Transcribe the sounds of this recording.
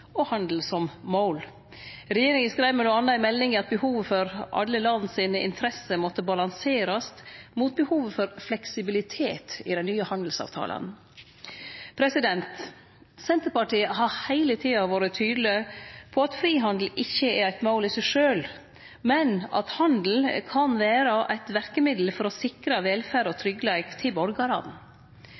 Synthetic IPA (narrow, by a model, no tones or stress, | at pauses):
ɔhɑnd̪l̩sɔmmoʊl | ɾɛjeːɾɪŋəskɾæɪʋmɛnuɑnːəæɪmɛlːɪŋəɑt̪̚bəhuːʋfɔɾʔɑ̰lːəlɑnːsiːnəɪ̰nt̪ʰɾɛsəmɔt̪ːəbɑlɑnseːɾɑst̪mut̪̚bəhuːʋəfɔɾflɛksɪbɪlɪt̪ʰeːt̪ɪ̰d̪ɛnnyːəhɑnd̪l̩sɑ̰ʋt̪ʰɑ̰ːlʔə̰n | pʰɾɛsɪd̪ɛnt̪ | sɛnt̪əɾpɑʈiːəɦɑɾhæɪlət̪ʰiːɑʋoːɾət̪ʰyːd̪l̩ɪpʰɔɑt̪fɾiːɦɑnd̪l̩ɪçːəɛɾæɪt̪moʊlɪsɛʂøːl | mɛnɑ̰t̪hɑnd̪l̩kʰɑnʋæːɾəʔæɪt̪ʋæɾkəmɪd̪l̩fɔɾɔsɪkɾɑʋeːlfæːɾɔt̪ʰɾʏɡlæɪkt̪ʰɪbɔɾɡɑɾɑ̰n